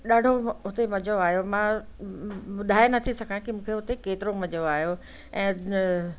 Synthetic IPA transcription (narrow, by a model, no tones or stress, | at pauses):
ɗaːɖʱoɦʊt̪emɐd͡ʑoaːɦjomãː | ɓʊd̪ʱaːenɐt̪ʰisɐkʰãkimũːkʰeɦʊt̪ekeːt̪ɪɾomɐd͡ʑoaːɦjo | ɛ̃ː